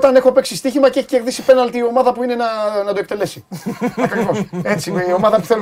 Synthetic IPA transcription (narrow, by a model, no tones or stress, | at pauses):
t̪ɐne̞xope̞ksist̪içimɐceeçi̥ce̞ɾðisipe̞nɐlt̪iːo̞mɐðɐpuine̞nɐnɐd̪ok̚t̪e̞le̞siɐkɐkivose̞t͡siio̞mɐðɐpu̥θel